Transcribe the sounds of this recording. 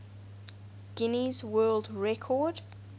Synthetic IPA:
ɡ̥ɪnizwɜːldɹɛkʰɔd̥

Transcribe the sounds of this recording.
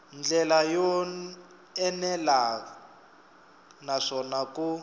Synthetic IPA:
nd͡ɮɛlajɔ | ɛnɛla | naʂɔnaku

